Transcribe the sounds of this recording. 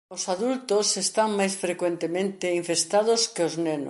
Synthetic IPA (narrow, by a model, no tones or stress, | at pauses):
osaðult̪osest̪aŋmajsfɾekwent̪emẽnt̪ɪiɱfest̪aðʊskeoznenʊ̰